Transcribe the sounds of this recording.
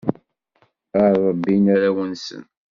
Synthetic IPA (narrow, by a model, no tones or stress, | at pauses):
aɾˤɑbːinaɾæwənsə̰n